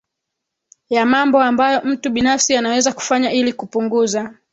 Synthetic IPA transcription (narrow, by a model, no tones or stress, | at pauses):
jamambɔambajɔm̩tuɓinafsianawɛzaku̥faɲailikupuŋɡuza